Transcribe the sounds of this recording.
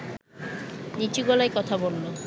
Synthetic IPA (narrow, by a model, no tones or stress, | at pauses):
nit͡ɕiɡɔlajkɔt̪ʰabolːo